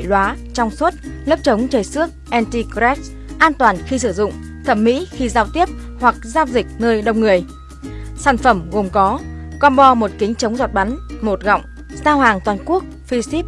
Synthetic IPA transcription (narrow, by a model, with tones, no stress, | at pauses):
jlwaː˨˦t͡ɕɔ˧wŋ͡mswə˦˥t̚lə˦˥p̚t͡ɕə˨˦wŋ͡mt͡ɕəː˨˩jsɨ˦˥ək̚ʔɛ˧nt̪i˧kɾɛ˦˥ | ʔaː˧nt̪waː˨˩nxi˧sɨ˧˩zʊ̰˧˨ŋ͡m | t̪ʰə˧˩mmḭ˧˥xi˧zaː˧wt̪i˦˥əp̚ | hwa˨˩k̚zaː˧wzï˨˩k̟̚nəː˧jɗə̰˧wŋ͡mŋɨ˨˩əj | saː˧˩nfə˧˩mɣo˨˩mkɔ˨˦kɔ˧nɓɔ˧mo˨˩t̚kï˨˦ŋ̟t͡ɕə˨˦wŋ͡mzɔ˨˩t̚ɓa˨˦nmo˨˩t̚ɣɔ̰˧˨wŋ͡m | saː˧wɦaː˨˩ŋt̪waː˨˩nku˦˥ək̚fi˧si˦˥p̚